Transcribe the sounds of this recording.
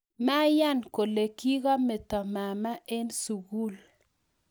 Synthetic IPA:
ma˦ja˦˨nko˨le˨ki˦ɣa˦mɛ˨t̪ɔ˨ma˨ma˦ʔe˦nsu˨ɡu˦l

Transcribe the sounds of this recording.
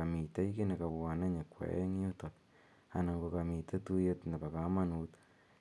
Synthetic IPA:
a˨mi˨ta˦i˦ke˦ne˨ka˨wa˨na˦ɲe˨kwa̰˨ḛ˦ŋ˦u˦tɔ˨t | a̰˨na˨ŋɡo˨ka˨mi˨te˦tu˦jetnda˨ba˨ka˨ma˦nu˨t

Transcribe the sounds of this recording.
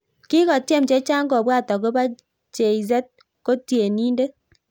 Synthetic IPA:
ki˦kɔ˨tje˦m̩t͡ʃe˦t͡ʃa˦ŋɡɔ˨bwa˦˨tɔ˨ko˦ba˦ | t͡ʃe˨i˨z̬ɛ˦t̚ | ko˦tje˨ni˦nde˦

